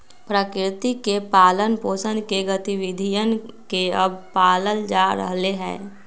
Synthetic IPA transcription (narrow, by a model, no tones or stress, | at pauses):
pɾəkɾɪt̪ikepaːlənpoːsə̃nd̪keɡət̪iwɪd̪ʱijənkeəb̚paːləld͡ʒaːɾə̰ɦleɦɛ̰̃ː